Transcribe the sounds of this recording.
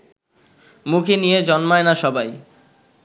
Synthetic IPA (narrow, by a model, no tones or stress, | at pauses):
mukʰinijed͡ʑɔnmaenaʃɔbaj